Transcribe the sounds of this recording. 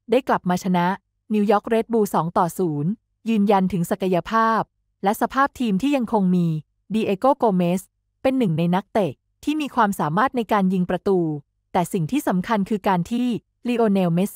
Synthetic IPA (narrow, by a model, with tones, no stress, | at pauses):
daː˥˩jkla˨˩p̚maː˧t͡ɕʰa˧na˦˥ʔ | niː˧wjɔː˦˥k̚ɾe˦˥t̪̚buː˧sɔː˩˦ŋt̪ɔː˨˩suː˩˦n | jɯː˧nja˧nt̪ʰɯ˩˦ŋsa˨˩ka˧ja˧pʰaː˥˩p̚ | lɛ˦˥ʔsa˧pʰaː˥˩p̚t̪ʰiː˧mt̪ʰiː˥˩ja˧ŋkʰo˧ŋmiː˧ | diː˧ʔeː˧koː˥˩koː˧meː˦˥s | pe˧nːɯ˨˩ŋna˧jna˦˥k̚t̪e˨˩k̚t̪ʰiː˥˩miː˧kʰwaː˧msaː˩˦maː˥˩t̪̚na˧jkaː˧nji˧ŋpɾa˧t̪uː˧ | t̪ɛː˨˩si˨˩ŋt̪ʰiː˥˩sa˩˦mkʰa˧nkʰɯː˧kaː˧nt̪ʰiː˥˩ | liː˧ʔoː˧neː˧wme˦˥s